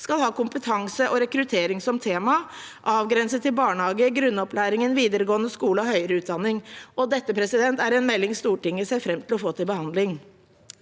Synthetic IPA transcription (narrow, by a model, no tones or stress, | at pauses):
skɑlhɑːkʊmpət̪ʰɑŋsəʔɔɾɛkɾʉt̪ʰeːɾɪŋsɔmt̪ʰeːmɑ | ʔɑːʋɡɾɛnsət̪ʰːɪlbɑːɳəhɑːɡəɡɾʉnːɔpʰlæːɾɪŋənʋiːd̪əɾəɡoːənəskuːləɔhœʏəɾəʉːt̪̚d̪ɑnːɪŋɔd̪ɛt̪ːəpʰɾɛsɪd̪ɛnt̪æɾɛnmɛlːɪŋst̪uːʈɪŋːəsæfɾɛmt̪ʰɪlɔfoːt̪ɪlbəhɑnd̪lɪŋ